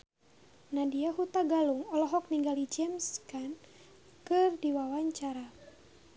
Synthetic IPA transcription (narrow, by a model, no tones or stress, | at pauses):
nadiaɦut̪aɡaluŋɔlɔɦɔk̚niŋɡalid͡ʒɛmskan | kɨrdiwawaɲt͡ʃaɾa